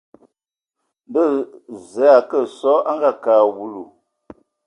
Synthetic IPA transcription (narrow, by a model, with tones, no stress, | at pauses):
bə˦˨zɛ˨a˨kə˦˨sɔ˦ʔa˦ŋɡa˦˨kaː˨wu˨lu˨